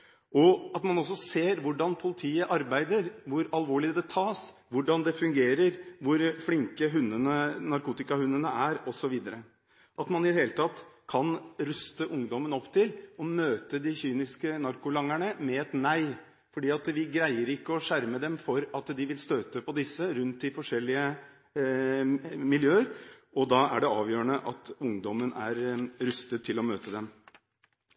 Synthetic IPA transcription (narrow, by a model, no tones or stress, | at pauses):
ɔɑt̪mɑnɔsːɔseːɾʋʊɖɑnpʰʊlɪt̪ʰiːəʔɑɾbæɪd̪əɾʋʊɾɑlʋoːɭɪd̪ɛt̪ʰɑːs | ʋʊɖɑnd̪ɛfʉŋɡeːɾəɾʋʊɾflɪŋkəɦʉnːənənɑɾkuːt̪ɪkɑhʉnːənəʔæɾɔsɔʋiːd̪əɾə | ʔɑt̪mɑnɪd̪ɛheːlət̪ʰɑt̪ːkʰɑnɾʉst̪əʔʊŋd̪ɔmənɔpːt̪ʰɪlɔmøːt̪əd̪ɪçyːnɪskənɑɾkʊlɑŋæɳəmɛɛt̪næɪ | fɔɖiːɑt̪ʋɪɡɾæɪəɾɪkːəɔʂæɾməd̪ɛmfɔɾɑt̪d̪ɪʋɪlst̪øːt̪əpʰɔd̪ɪsːəɾʉnt̪ːɪfɔʂɛlːɪə | mɪljøːəɾɔd̪ɑːæ̰ɖɛɑːʋjøːɾəɳəʔɑ̰t̪ʊŋd̪ɔmːənæɾɾʉst̪ət̪ʰːɪlɔmøːt̪əd̪ɛm